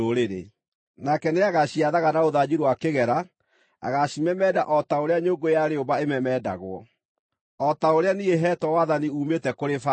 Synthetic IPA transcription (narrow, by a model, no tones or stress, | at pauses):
oɾeɾḛ | nakɛneaɣaɕiaðaɣanaoðad͡ʑiɾwakeɣɛɾa | a̰ɣaɕimɛmɛda̰ʔɔtaoɾeaɲoːŋɡojaɾeombaemɛmɛːda̰ɣwɔ̰ | ɔtaoɾeanieɦɛtɔwaðaniuːmetɛkoɾefa